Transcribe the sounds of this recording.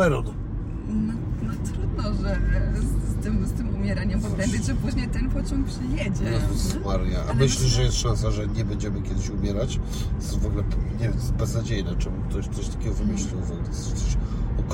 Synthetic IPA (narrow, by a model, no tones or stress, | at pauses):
ɛɾɔn | nɔnɔt̪ɾud̪nɔʐɛ | t̪ɘmst̪ɘmumʲjɛɾaɲɛmpɔp̪ɛmʲbʲed͡ʑʐɛpuʐɲɛt̪ɛnpɔt͡ɕɔŋkpʂɘjɛd͡ʑɛzmaɾjaʔa̰mɘɕlʲiʐɛjɛst̪ʂãns̬aʐɛɲɛbɛɲd͡ʑɛmɘkʲɛd̪ɘɕumʲjɛɾat͡ɕ | vɔɡlɛpɲɛbɛznad͡ʑejnat͡ʂɛmukt̪ɔɕt̪sɔɕt̪ḁkʲɛɡɔvɘmɘɕlʲiwvɔɡlɛɔt̪sɔɕɔk